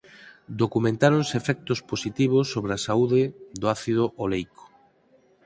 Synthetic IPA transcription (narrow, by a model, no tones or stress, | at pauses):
d̪okumẽnt̪aɾõnsefɛk̚t̪ʊsposit̪iβ̞ʊsːoβɾɪasauðɪd̪oaθiðʊʔolejko̥